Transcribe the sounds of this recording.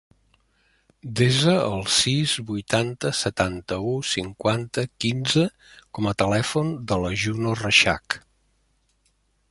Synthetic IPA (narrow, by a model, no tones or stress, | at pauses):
d̪ezəəlˠsizβujt̪ant̪əsət̪ant̪əusiŋkwant̪əkinzə | kɔmət̪əlɛfund̪ələʒunorəʃa̰k